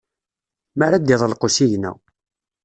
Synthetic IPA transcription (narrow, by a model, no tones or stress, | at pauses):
məɾad̪ːiðˤəlqosijnæ̰w